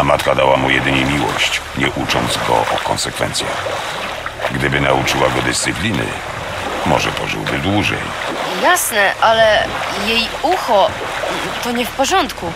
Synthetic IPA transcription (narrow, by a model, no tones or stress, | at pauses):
amat̪kad̪awamujɛd̪ɘɲɛmʲiwɔɕt͡ɕɲɛʔut͡ʂɔnd̪zɡɔ̰ʔɔkɔnsɛkfɛ̰nt̪sʲja̰x | ɡd̪ɘbɘnaut͡ʂɘwaɡɔd̪ɘst̪sɨplʲinɘ̰ | mɔʐɛpɔʐɨ̰wbɘd̪wuʐɛ̰j | jasnɛʔalɛjejuxɔ | t̪ɔɲɛfpɔʐɔnt̪ku